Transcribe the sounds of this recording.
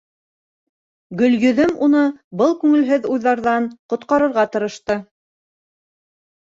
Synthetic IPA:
ɡɵ̆ljɵ̆ðɵmunɤbɤlˠkʉŋɘ̆lɦɘðujðɑɾðɑɴqŏt̪qɑɾɤ̆ɾʁɑt̪ɤ̆ɾɤ̆ʃt̪ɤ

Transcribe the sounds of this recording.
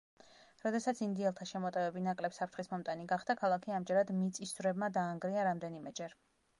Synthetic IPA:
ɾɔd̪ɛsat̪sind̪iɛlˠt̪ʰaʃɛmɔt̪ʼɛvɛbinakʼlɛpsapʰɾt̪ʰχismɔmt̪ʼaniɡaχd̪̥akʰalˠakʰiamd͡ʒɛɾad̪mit̪sʼisuvɾɛbmad̪aːŋɡɾiaɾamd̪ɛnimɛd͡ʒɛɾ

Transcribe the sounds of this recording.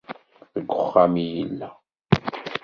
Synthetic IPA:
θəɡʷːʊχːamijəlːæ

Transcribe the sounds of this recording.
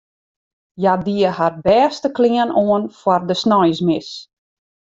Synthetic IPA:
jadiəhar̚bɛːstəklɪənoənfwɔrdəsnɔjsmɪs

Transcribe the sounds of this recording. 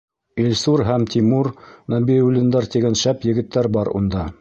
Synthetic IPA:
ilʲsuɾɦæmt̪ʰimuɾnɑbiulʲind̪ɑɾt̪iɡænʃæpjɘ̆ɡɘ̆t̪ːæɾbɑɾṵnd̪ɑ

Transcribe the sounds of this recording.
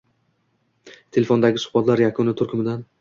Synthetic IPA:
t̪ʰe̞lʲefond̪aɡʲɪsʊ̥hbat̪laɾjakʰʊnɪt̪ʰʊɾkʲʰʊmɪd̪an

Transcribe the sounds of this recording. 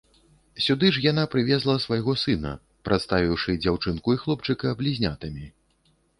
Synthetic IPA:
sʲud̪ɨʂjanapɾɨvʲɛzlˠɐsvajɣɔsɨnɐ̰ | pɾʔat̪st̪avʲiwʂɨd͡zʲawt͡ʂɨnkuixlˠɔp̚t͡ʂɨkɐːblʲizʲnʲat̪ɐmʲi

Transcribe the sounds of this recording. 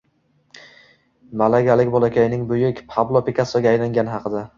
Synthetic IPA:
malaɡʲalɪk̚ʲbɒlˠakʲʰajnɪŋbʊjɪkʲpʰablˠopʰekʰʲasɒɡʲaːjlaŋɡʲanɪhɑqʰɨd̪a

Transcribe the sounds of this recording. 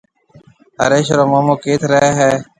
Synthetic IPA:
ə̰ɾeːʃɾoːmaːmoːkeːt̪ʰɾəɦɦɛː

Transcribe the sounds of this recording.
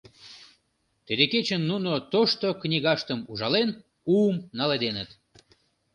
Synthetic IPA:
t̪ed̪eket͡ɕənːunot̪oʃt̪oknʲiɣɑʃt̪əmuʒɑlen | umnɑled̪enət̪

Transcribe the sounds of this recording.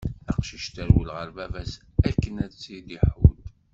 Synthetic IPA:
æqʃiʃt̪æɾwəlʁəɾvævæs | ækːənæðt͡sːid̪iħud̪

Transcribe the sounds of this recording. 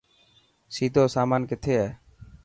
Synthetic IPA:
ʃit̪osamanket̪ʰeɛ

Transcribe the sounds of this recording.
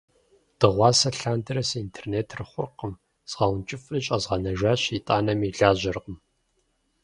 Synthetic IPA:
d̥ɨʁʷɑːsɐɬaːndɨɾɐsintʰeːrneːtʰrɨχʷʊrqəm | z̥ʁɐwnt͡ʃʼɪflɨt͡ʃʼɐzʁɐnɐʒʷaːɕitʼaːnɐmiɮaːʑɐrqəm

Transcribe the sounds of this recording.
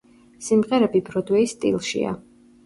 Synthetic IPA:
simʁɛɾɛbibɾɔd̪wɛist̪ʼḭlˠʃḭa̰

